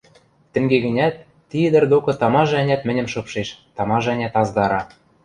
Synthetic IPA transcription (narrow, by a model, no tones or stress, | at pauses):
t̪ɘ̆ŋɡeɡɘ̆nʲæt̪ː | id̪ɘ̆rd̪okɤ̆t̪ɑmɑʒænʲæt̪mɘ̆nʲɘ̆mʃɤ̆pʃeʃt̪ɑmɑʒænʲæt̪ɑzd̪ɑɾɑ